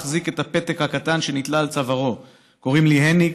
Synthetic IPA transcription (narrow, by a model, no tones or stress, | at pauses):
χzike̞tape̞t̪ekhakatanʃe̞nit̪laːlt͡savaʁo̞ | ko̞ʁimliɦeni